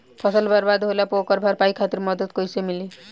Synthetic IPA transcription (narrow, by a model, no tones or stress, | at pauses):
pʰʌsʌlbaɾbad̪ɦolapokʌɾbʱaɾpajkʰat̪iɾmʌd̪ʌd̪kojsemili